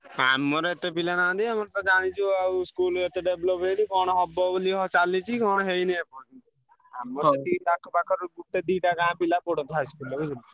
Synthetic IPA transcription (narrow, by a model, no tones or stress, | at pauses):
amɔɾet̪epilanãd̪iamɔɾt̪ɔd͡ʒaɽ̃it͡ʃʰuawskulet̪eɖeblɔpejnikɔɽ̃ɔɔbɔbliɦɔt͡ʃalit͡ʃʰikɔɽ̃ɔɦejnɛpɔni | amɔɾt̪iʈakʰpakʰɔɾkuʈ̪ːed̪iʈakãpilapɔɽɔnt̪ɦajskulekud͡ʒuli